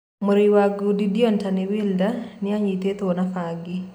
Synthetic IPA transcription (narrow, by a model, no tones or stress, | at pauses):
moɾiwaɡudidiɔntaniwildanɪaɲit̪et̪onafaɡi